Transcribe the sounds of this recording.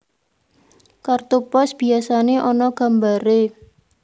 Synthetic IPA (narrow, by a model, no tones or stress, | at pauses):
kart̪upɔsb̥i̤asaneʔɔnɔɡ̥a̤mbaɾe